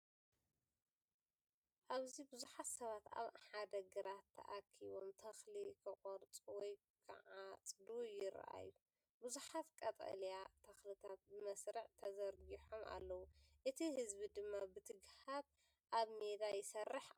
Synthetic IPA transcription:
ʔaβzibɨzuħat̪sɐβat̪a̰βħad̪ɐɡɨɾat̪ʰːɐ̰ʔakʰiβomt̪ʰɐxlikʰɐqʼoɾt͡sʼwɔj | kʰɨ̰ʕat͡sʼd̪ujɪɾɐ̰ʔa̰jːu | buzuħat̪kʼɐt̪ʼɐ̰ljat̪ʰɐxlɨt̪ʰat̪̚bɨmɐsɾɨʕt̪ʰɐzɐɾɡiħomʔa̰lːɐwuʔɨt̪ʰihɨzbid̪ɨmːabɨt̪ʰɨɡhaβ | ʔaβmed̪ajɪsɐrːɨħ

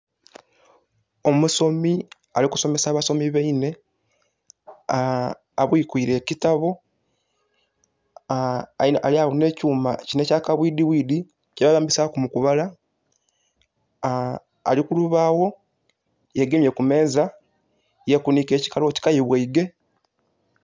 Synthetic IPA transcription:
omuso̞mi | aliku̥so̞me̞saːβaso̞miβeine̞ | a̰βwiːkwiɾe̞citaβo | aliawone̞ːcuːma̰cinecaːkaβwiːdiwiːdi | ceβaɣaːmbisakumukuβala | a̰likuluβaːwo̞ | jeɡemje̞kume̞ːza | jekunike̞ːci̥kalo̞ti̥kajiβweiɡe̞

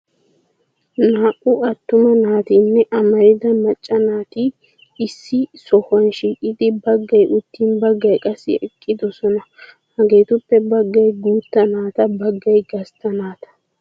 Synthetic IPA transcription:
naːʔʼʊɐt̪ːʊmɐnaːt̪iːnːɛʔɐmɐɾɪd̪ɐmɐt͡ʃʼːɐnaːt̪ɪ | ɪsːɪsɔhɐnʃiːkʼɪd̪ɪbɐɡːɐjʔʊt̪ːiːnbɐɡːɐjkʼɐsːɪ̰ʔɛkʼːɪd̪ɔsɔnɐ | hɐɡe̞ːt̪ʊpːɛbɐɡːɐjɡuːt̪ːɐnaːt̪ɐbɐɡːɐjɡɐst̪ːɐnaːt̪ɐ̥

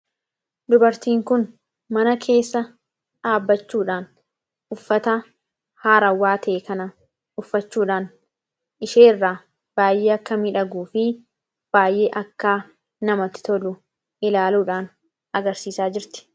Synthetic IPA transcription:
d̪ʊbɐɾt̪iːŋkʊn | mɐnɐkʰe̞ːsːɐ | ᶑaːbːɐt͡ʃːuːᶑaːn | ʊfːɐt̪ɐ | haːɾɐwːaːt̪ʰeːkɐnɐ | ʊfːɐt͡ʃːuːᶑaːn | ʔɪʃeːrːaː | b̥aːjʔeːɐkːɐmɪᶑɐɡuːfɪ | b̥aːjʔe̞ːʔɐkːaː | nɐmɐt̪ːɪ̥t̪ɔlʊ | ɪlaːluːᶑaːn | ɐɡɐɾsiːsaːd͡ʒɪɾt̪ɪ̥

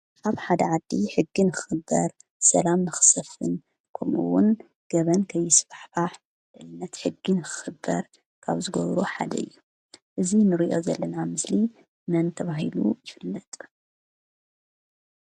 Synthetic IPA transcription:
ʔaβħad̪ɐʕad̪ːiħɨɡːinɨxɨ̥xɨbːɐ̰ɾ | sɐlamnɨxɨ̥sɐfɨn | kʰomʔuwʊn | ɡ̥ɐβɐnkʰɐjːɪsfaħfaħ | ɨʔɨnːɐt̪ħɨɡːinɨxɨ̥xɨbːɐ̰ɾ | kʰa̰βzɨɡɐβɾoħa̰d̪ɐ̰ɨ̰jːu | ʔɨzinɨɾiʔo̞zɐlːɐnamɨsli | mɐnt̪ʰɐβaɦilṵjɪfɨlːɐt̪ʼ

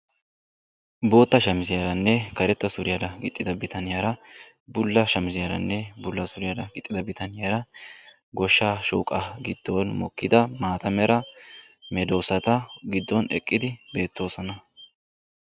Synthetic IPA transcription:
bo̞ːt̪ːɐʃɐmɪzɪjɐɾɐnːɛkɐɾɛt̪ːɐsʊɾɪjad̪ɐɡɪt̪ʼːɪd̪ɐbɪt̪ɐnɪjaɾɐ | bʊlːɐʃɐmɪzɪjɐɾɐ̰nːɛbʊlːɐsʊɾɪjad̪ɐɡɪt̪ʼːɪd̪ɐbɪt̪ɐnɪjaɾɐ | ɡɔʃːaːʃṵːkʼɐɡɪd̪̥ːoːnmɔ̰kːɪd̪ɐmaːt̪ɐmɛɾɐ | mɛd̪oːsɐt̪ɐɡɪd̪ːɔnɛkʼːɪd̪ɪbe̞ːt̪ːo̞ːsɔnɐ

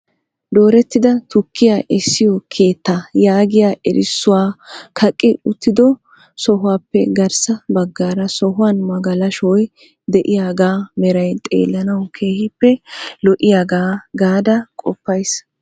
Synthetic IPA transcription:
d̪o̞ːɾɛt̪ːɪd̪ɐt̪ʊkːɪjaːʔɪsːɪjɔkʰe̞ːt̪ːajaːɡɪjaːʔɛɾɪsːʊwaːkʰɐkʼːɪʊt̪ːɪd̪ɔ | sɔɦʊwaːpːɛ̰ɡɐɾsɐbɐɡːaːɾɐsɔɦʊwanmɐɡɐlɐʃɔj | d̪ɛʔɪjaːɡaːmɛɾɐjt̪ʼḛːlːɐnɐwkʰe̞ːhɪpːɛlɔʔɪjaːɡaːɡaːd̪ɐkʼɔpːɐjs

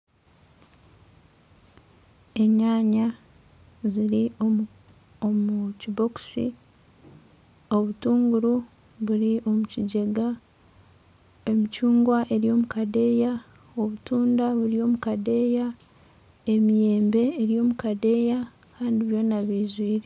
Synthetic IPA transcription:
e̞ɲaːɲa | ziɾi | omucibo̞ku̥sḭ | o̞βutuːŋɡuɾu | βuɾiʔo̞muciɟe̞ɡa | emicuːŋɡwaʔe̞ɾjo̞ːmukade̞ːja | o̞βutuːndaβuɾio̞ːmukade̞ja | e̞mije̞ːmbe̞ːɾijo̞ːmukade̞ja | kaːndiβjo̞ːnaβiːzwiːɾe

